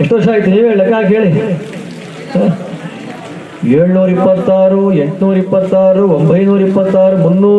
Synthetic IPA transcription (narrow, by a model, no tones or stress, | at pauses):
eʂʈoːʂaːjit̪iniːʋeːɭɐkaːkɦe̞ːɭi | eːɭnuːɾipːɐt̪ːaːɾueɳʈnuːɾipːɐt̪ːaːɾuʋombʱɐjnuːɾipːɐt̪ːaːɾumunːuː